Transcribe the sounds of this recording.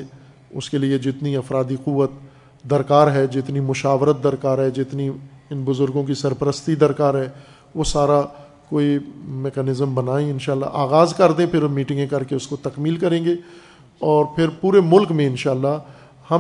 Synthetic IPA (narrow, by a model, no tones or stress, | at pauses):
ʊ̰skelied͡ʒɪt̪niɐfɾaːd̪iquʋət̪̚ | d̪ɐɾkaːɾɦɛd͡ʒɪt̪nimʊʃaːʋɾət̪̚d̪ɐɾkaːɾɦɛd͡ʒɪt̪niɪnbʊzʊɾɡõk̬isɐɾpəɾəst̪id̪ɐɾkaːɾɦɛː | ʋosaːɾa | koːimɛːkɛːnɪzəmbɐnaːẽɪnʃaːlːa̰ʔaːɣaːzkɐɾd̪ẽpʰɪɾmiːʈɪ̃ŋɡẽkɐɾkeʊskot̪ɐkmiːlkɐɾẽːɡe | ɔːɾpʰɪɾpuːɾemʊlkmẽɪnʃaːlːa | hɐ